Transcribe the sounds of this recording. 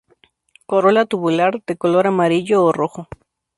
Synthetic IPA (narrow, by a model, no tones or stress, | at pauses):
koɾolat̪uβulaɾd̪ekoloɾamaɾiʎoːroxo